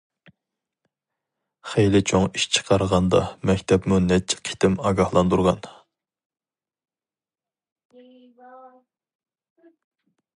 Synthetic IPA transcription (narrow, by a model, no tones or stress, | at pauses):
χejlɪt͡ʃʰoŋiʃt͡ʃʰə̥qʰɑɾʁɑnd̪ɑ̰mɛkʲt̪ʰɛpmunɛt͡ʃʰːɛ̥qʰi̥t̪ʰɪmɑːɡɑhlˠɑnd̪uɾʁɑn